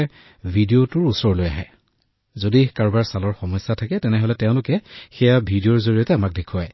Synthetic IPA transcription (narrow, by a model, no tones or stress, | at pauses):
bʱidiotʊɹusɔɹloja̰ɦɛ̰ | zodikaɹbaɹsalɔɹxɔmɔjsːatʰakɛtɛnɛɦolɛtɛʊ̃lʊkɛxɛjabʱidiɔɹzoɹijɔtɛamak̚dekʰuaj